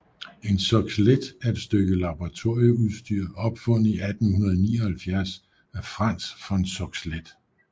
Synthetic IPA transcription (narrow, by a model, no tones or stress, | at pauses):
e̝nsɒɡ̥sled̥æed̥sd̥øɡ̥əlɑ̈b̥ɒʁɑ̈t͡sʰo̝̰ɐjəuðˠsd̥yɐ̰ɒ̽b̥fɔ̽n̩ˠiæd̥n̩hunɐð̞ˠnḭːɒhælfjæɐs | æɐfʁɑn̰sfɒ̽ensɒɡ̥sled̥